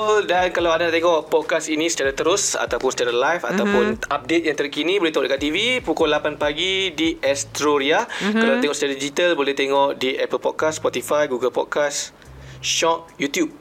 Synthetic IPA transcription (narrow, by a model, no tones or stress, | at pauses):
dankalawadaaʔt̪eŋɔʔpɔd̚kasinĩsə̥t͡ʃaɾat̪əɾʊsa̰t̪awpʊnsə̥t͡ʃaɾalajfa̰t̪awpʊnap̚det̪̚jãŋt̪ərkinibolɛt̪eŋɔʔdəkat̪ːivipukɔlapanpaɡidiʔɛst̪ɾoɾiakalanaʔt̪eŋɔʔsə̥t͡ʃaɾadid͡ʒit̪albolɛht̪eŋɔʔdiʔɛpəlpɔd̚kasːpɔt̪ifajɡuɡəlpɔ̰d̚kas | ʃɔt̚jut̪jub̚